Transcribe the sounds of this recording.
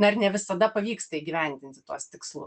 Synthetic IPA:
nɐɪɾnʲɛʋʲɪsɐd̪ɐpɐʋʲiːkst̪ɐiɡʲiʋʲɛnʲd̪ʲɪnt̪ʲɪt̪uɔst̪ʲɪkslˠʊ̰

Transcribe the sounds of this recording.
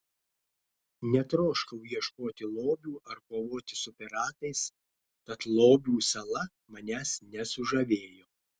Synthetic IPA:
nʲɛt̪ɾoːʃkɐʊjiɛʃkoːt̪ʲɪlˠoːbʲuːʔɐɾkoːʋoːt̪ʲɪsʊpʲɛɾɑːt̪ɐɪs | t̪ɐt̪lˠoːbʲuːsʲɐlˠɐ | mɐnʲæːsnʲɛsʊʒɐʋʲeːjoː

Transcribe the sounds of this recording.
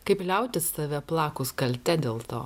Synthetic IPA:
kɐɪplʲɛʊt̪ʲɪst̪ɐʋʲɛplˠɑːkʊskɐlʲt̪ʲɛd̪ʲeːlˠt̪o̰ː

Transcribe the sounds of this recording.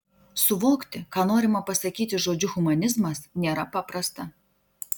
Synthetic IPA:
sʊʋoːkt̪ʲɪkɑːnoːɾʲɪmɐpɐsɐkʲiːt̪ʲɪʒoːd͡ʒʲʊxʊmɐnʲɪzmɐsnʲeːɾɐpɑpɾɐst̪ɐ

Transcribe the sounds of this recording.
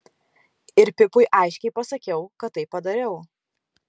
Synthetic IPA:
ɪɾpʲɪpʊjʔɑɪʃʲkʲɛɪpɐsɐkʲɛʊkɐt̪ːɐɪpːɐd̪ɐɾʲɛʊ

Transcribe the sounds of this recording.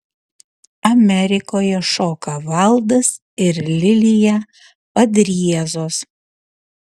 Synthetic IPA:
ɐmʲɛɾʲɪkoːjɛʃoːkɐʋɐlˠd̪ɐs | ɪɾlʲɪlʲɪjɛ | pɐd̪ʲɾʲiɛzoːs

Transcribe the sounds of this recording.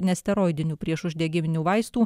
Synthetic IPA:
nʲɛsʲt̪ʲɛɾoːɪd̪ʲɪnʲuːpʲɾʲiɛʃʊʒʲd̪ʲɛɡʲɪmʲɪnʲuːʋɐɪst̪uː

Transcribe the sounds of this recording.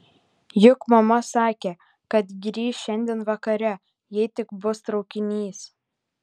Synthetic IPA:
jʊkmɐmɐsɑːkʲeː | kɐt̪ɡʲɾʲiːʃʃʲɛnʲd̪ʲeːnʋɐkɐɾʲɛ | jɛɪt̪ʲɪɡbʊst̪ɾɒʊkʲɪnʲiːs

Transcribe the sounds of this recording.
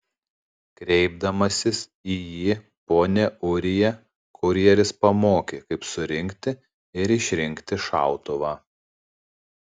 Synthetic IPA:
kɾʲɛɪb̚d̪ɐmɐsʲɪsiːjiː | poːnʲɛʊɾʲɪjɛ | kʰʊɾʲiɛɾʲɪspɐmoːkʲekɐɪpsʊɾʲɪŋʲkt̪ʲɪ | ɪɾɪʃʲɾʲɪŋʲkt̪ʲɪʃɑ̰ˑʊt̪ʊʋɑː

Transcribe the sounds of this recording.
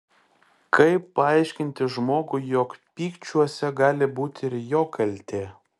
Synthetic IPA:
kɐɪpːɐɐɪʃʲkʲɪnʲt̪ʲɪʒmoːɡʊjoːkpʲiːkt͡ʃʲuɔsʲɛɡɑːlʲɪbuːt̪ʲɪɾjoːkʰɐlʲt̪ʲeː

